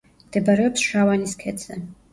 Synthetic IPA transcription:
md̪̥ɛbaɾɛɔpsʃawaniskʰɛd̪sʰɛ

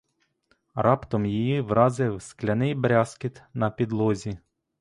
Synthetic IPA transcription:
rɑpt̪ɔmjijiʋɾʔɑzɪwsklʲɐnɪjbɾʲɑskɪt̪nɐpʲid̪lˠɔzʲi

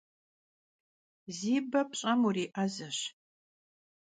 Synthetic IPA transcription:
ziːbɐpɕʼɐmuriːʔɐzɐɕ

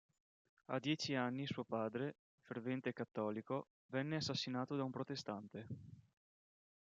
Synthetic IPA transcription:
a̰d̪jɛːt͡ʃianːisuopaːd̪ɾe | fervɛnt̪ekat̪ːɔːliko | vɛnːeasːasːinaːt̪od̪aumpɾot̪est̪ant̪e

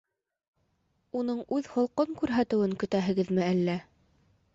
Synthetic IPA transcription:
unɤɴʉðhŏlˠqɤŋkʉɾɦæt̪ɘ̆wɘŋkɵ̆t̪æɦɘ̆ɡɘðmɘælːæ

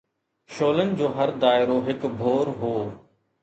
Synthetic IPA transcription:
ʃoːlənɪ̆d͡ʑoːɦəɾd̪aːɪɾoɦɪkbʱoːɾɦoː

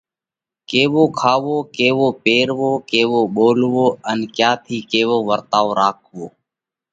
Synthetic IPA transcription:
keːʋoːkʰaːʋoːkeːʋoːpeːɾʋoːkeːʋoːɓoːlʋoːənkjaːt̪ʰiːkeːʋoːʋəɾt̪aːoːɾaːkʰoː

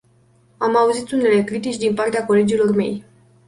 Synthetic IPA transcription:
amauzit̪une̞le̞kɾit̪̬it͡ʃʲd̪inpart̪eako̞le̞d͡ʒilo̞rme̞̰j

